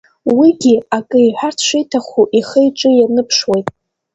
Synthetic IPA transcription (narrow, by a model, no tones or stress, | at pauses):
wiɡʲiakʼɨiħʷᶣartʰʂʷejtʰaχuʔiχejʈ͡ʂʼɨjanɨpʰʂwejtʼ